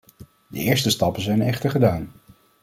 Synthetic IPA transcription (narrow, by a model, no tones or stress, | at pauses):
də̰ɪːɹstəstɑpənzɛjnɛχtəɹχədaːn